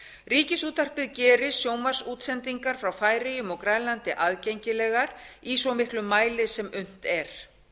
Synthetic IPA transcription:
riːcɪsuːt̪ar̥pɪðcɛːɾɪsjoːwmvar̥suːt̪sɛnt̪iŋkaɾ̥fɾawfaːjɾɪjʏmɔɣkɾaːjlant̪ɪʔaðcejɲcɪlɛːɣaɾisɔmɪhklʏmːaːjlɪsɛmʏn̥t̪ɛɾ̥

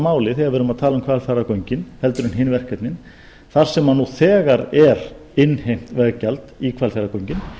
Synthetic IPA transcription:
maːwlɪθejɣaɾvɛːɾʏmaðt̪ʰaːlaʏmkʰvalfaɾakowɥɲcɪnhɛlt̪ʏɾʏnɦɪnvɛr̥kːɛt̪nɪn | θaɾ̥sɛmːanːuθɛːɣaɾɛɾ | ɪnːhejm̥t̪vɛɣcalt̪ikʰvalfaɾakowɲcɪn

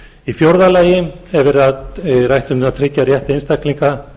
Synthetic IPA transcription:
ifjowɾðalaːjɪmɛvɪɾaðrajht̪ʏmnat̪ʰɾɪcːarjɛht̪ejnst̪akliŋka

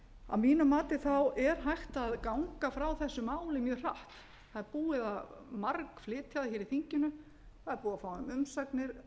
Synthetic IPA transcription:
a̰miːnʏmaːt̪ɪθawɛɾ̥ɦajht̪aðkawŋkafɾawθɛsːʏmaːwlɪmjœːr̥aht̪ | θaðɛɾpuːɪðamarkflɪːt̪ʰjaðaçɛːɾiθiɲcɪnʏ | θaðɛɾpuːafaːwʏmʏmsaknɪɾ̥

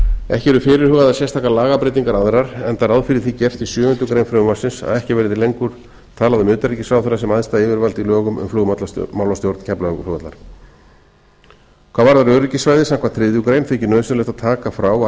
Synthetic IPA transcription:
ɛ̰hcɪɛɾʏfɪːɾɪɾ̥hœːɣaðasjɛst̪ʰaːkalaːɣapɾejt̪iŋkaɾaðɾaɾ̥ɛnt̪aɾawðfɪɾɪ̥θicɛr̥t̪isjœːɣʏnt̪ʏkɾeːjnfɾœʏmasɪnsa̰ðɛhcɪvɛːɾɪt̪ɪlejŋkʏɾ̥ | t̪ʰaːlaðʏmʏːt̪aɾicɪsvawθɛɾasɛmaðst̪aɪːvɪɾvalt̪ilœːɣʏmʏ̰mflɔːɣat̪lamawlast̪jowɾt̪n̥cʰɛplaloɣat̪la̰ɾ̥ | kʰvaːðvaɾðaɾœɣricɪsvajðɪsɛmkvat̪ʰɾɪðjʏkɾejnfecɪnœːðslɛt̪aðt̪ʰaːkafɾaw

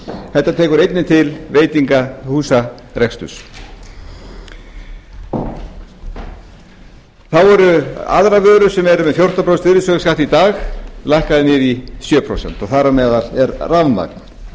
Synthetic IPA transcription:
θɛht̪ːat̪ʰɛːkʏɾejt̪nɪnt̪ʰɪlveːjt̪iŋkahuːsaɾɛkst̪ʏ̰s | θawɛɾʏa̰ðɾavœːɾʏ̥sɛmɛɾʏmɛðfjowr̥t̪apʰɾɔst̪vɪɾɪsœkskaht̪it̪aːxlajhkaðɪnɪːðisjœːpʰɾo̰wsɛ̰nt̪ɔθaɾamɛːðalɛɾravnma̰ːkn̥

